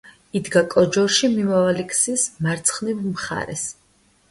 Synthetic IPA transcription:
id̪ɡakʼɔd͡ʒɔɾʃimimavalikʰʼsismaɾt̪sʰχnivmχa̰ɾɛ̰s

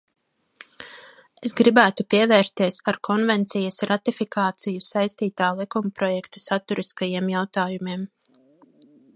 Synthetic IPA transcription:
esɡɾibæːt̪upiɛvɛːɾst̪iɛsaɾkʰɔnvɛnt̪sijɐsɾat̪ifikaːt̪sijusajst̪iːt̪aːlˠikumpɾɔjɛkt̪u̥sat̪uɾiskajiɛmjawt̪aːjumiɛm

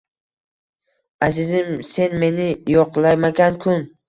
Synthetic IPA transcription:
azɪzɪmse̞nme̞nɪjɒqlˠajmaɡʲankʰʊn

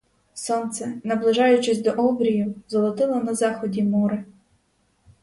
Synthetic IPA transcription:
sɔnt̪sɛnɐblˠɪʒɑjʊt͡ʃɪsʲd̪ɔʔɔbɾʲijʊzɔlˠɔt̪ɪlˠɐnɐzɑxɔdʲimɔɾɪ

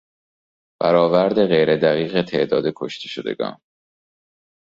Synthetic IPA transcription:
b̥æɾɒːvæɾd̪e̞ɣe̞jɾed̪æɣiːɣet̪ʰe̞̰ʔd̪ɒːd̪ekʰo̞ʃt̪ʰe̥ʃod̪e̞̰ɡɒ̰ːn

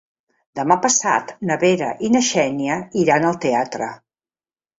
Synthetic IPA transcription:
d̪əmapəsa̰t̪nəβeɾə̰ʔinəʃɛniəiɾanəlˠt̪eat̪ɾə̰

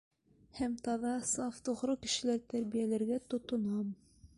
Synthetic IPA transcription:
hæmt̪ɑðɑsɑft̪uʁɾɤkɘ̆ʃɘ̆læɾt̪æɾβijælæɾɡæt̪ŏt̪ŏnɑm

